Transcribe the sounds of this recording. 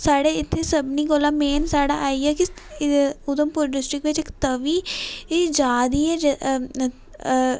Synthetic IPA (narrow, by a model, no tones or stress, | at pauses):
saːɽeːɪt̪ʰːeːsəbniːkoːlaːmeːnsaːɽa̰ːʔaːiːɛːkɪ | ʊd̪əmpʊɾɖɪsʈɾɪkʋɪt͡ʃɪkt̪əʋiːed͡ʒaːd̪iːɛːd͡ʒ